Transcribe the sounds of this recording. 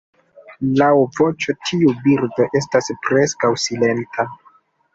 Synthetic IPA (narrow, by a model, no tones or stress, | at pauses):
lawvo̞t͡ʃo̞tʰiubiɾdo̞ʔe̞staspɾe̞skawsile̞ntʰa